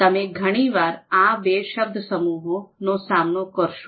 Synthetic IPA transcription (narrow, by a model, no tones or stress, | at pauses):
t̪ɐmẽɡʱəɽ̃iːʋaːɾãbeːʃəb̚d̪ʱəsəmuːɦonosaːmnokəɾʃo